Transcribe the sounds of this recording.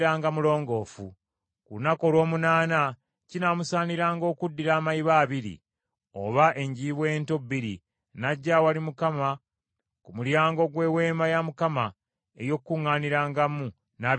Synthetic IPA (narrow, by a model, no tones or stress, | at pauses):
ɾaːŋɡamulo̞ːŋɡo̞ːfṵ | kuunako̞lwo̞ːmunaːna | cinamusaːniɾaːŋɡo̞ːkudːiɾaːmaiβaːβiɾḭ | o̞̰βaʔe̞ɲɟiːβwe̞ːnto̞bːiɾḭ | naɟːawalimukama | kumuljaːŋɡo̞ɡwe̞ːwe̞ːmajamukama | ejo̞kːuŋːaːniɾaːŋɡamu | na